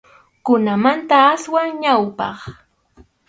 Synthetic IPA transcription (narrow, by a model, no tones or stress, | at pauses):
kʊnamant̪aːswaŋɲawpɑ̰χ